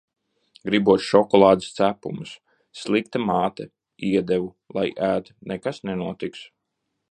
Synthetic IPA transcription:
ɡɾibuɔt̪ʃɔkɔlˠɑːd̪ɨst̪sæpumɨsː | lˠikt̪ɐmaːt̪ɐ | iɛd̪ɛvu | lˠajʔæːt̪nɛkasnɛnuɔt̪iks

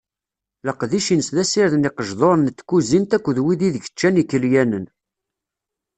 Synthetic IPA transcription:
ləqðiʃinsðæsiɾðniqəʒðˤoɾˤnət̪ːkːuzimt̪ækʷːəðwiðiðəçət͡ʃːænikːəljænən

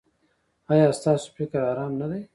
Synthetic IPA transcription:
ɑːjɑːst̪ɑːso̥pɾikəɾɑːɾɑːmnad̪aj

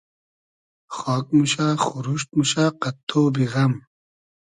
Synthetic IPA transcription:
xɔːk̚muɕaːxuɾuʂt̪̚muɕaːqɐt̪ʰːoːbiɣɐm

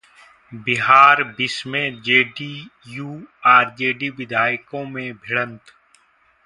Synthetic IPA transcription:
bɪɦaːɾbɪsmẽd͡ʒeːɖiːjuːaːɾd͡ʒeːɖiʋɪd̪ʱaːɪkõmẽbʱɪɽə̃nt̪

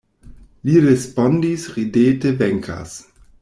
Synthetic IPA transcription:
liɾespondisʁideːtevɛŋkʰa̰s

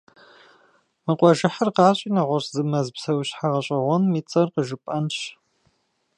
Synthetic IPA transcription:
mɨqʷʼɔʒɪħɐrqɑːɕʼiːnɐʁʷɔɕzɨmɐzpsɐwɕħaʁɐɕʼɐʁʷɔnmiːt͡sʼɐrqəʒɨpʼɐnɕ

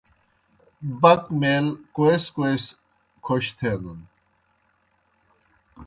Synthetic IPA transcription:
bɐkmelkoeskoes | kʰoɕt̪ʰenun

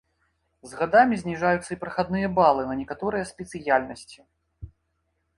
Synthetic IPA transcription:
zɣad̪amʲizʲnʲiʐajut̪sːɐipɾɐxad̪nɨjɐbalˠɨnɐnʲɛkat̪ɔɾɨjɐsʲpʲɛt̪sɨjalʲnɐsʲt͡sʲi

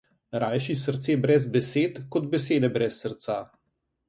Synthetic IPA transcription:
ɾaːjʃisəɾt̪seːbɾɛzbɛseːt̪kɔd̪̚bɛseːd̪ɛbɾɛsːəɾt̪saː

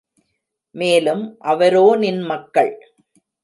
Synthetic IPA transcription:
meːlɯmʔɐʋɐɾoːnɪnmɐkːɐɭ

